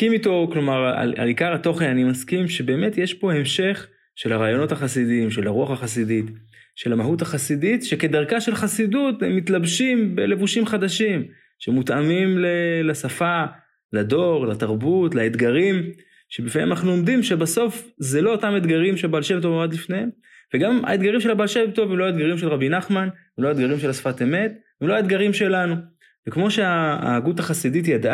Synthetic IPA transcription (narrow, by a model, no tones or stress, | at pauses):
kimit̪o̞klomaʁa̰la̰likaʁhat̪o̞χenanimaskimʃe̞be̞ːme̞t̪jeʃpo̞e̞mʃe̞χ | ʃe̞lhaʁaːjo̞no̞t̪haχasid̪iimʃelaʁuaχaχasid̪it | ʃe̞lamaɦuthaχasidit̪ʃeke̞d̪aʁkaʃe̞lχasid̪ut̪emːit̪labʃimbe̞le̞vuʃimχad̪aʃim | ʃemut̪amimlelasafa | lad̪o̞ʁlat̪aʁbutlaed̪ɡaʁim | ʃebifḛmanaχnuomd̪imʃe̞baso̞fzelo̞otamed̪ɡaʁimʃebalʃebt̪̬ovoad̪lifne̞hem | veɡama̰ed̪ɡaʁimʃe̞labalʃevt̪o̞vemlo̞aed̪ɡaʁimʃelʁabinaχman | emloaed̪ɡaʁimʃe̞lasḁfateme̞t̪ | emloaed̪ɡaʁimʃe̞lanu | vekmo̞ʃea̰ːɡut̪aχasidit̪̬jad̪ʔa